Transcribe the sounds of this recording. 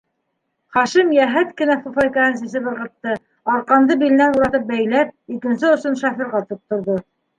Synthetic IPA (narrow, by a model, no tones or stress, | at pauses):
χɑʃimjæɦæt̪kɘ̆næfufɑjkɑɤnsis̬ɘβɤ̆ɾʁɤ̆t̪ːɤ | ɑɾqɑnd̪ɤbilɘ̆nænuɾɑt̪ɤp̚bæjlæp̚ikɘ̆nsɘŏsonʃɑfĭɾʁɑt̪up̚t̪ŏɾðo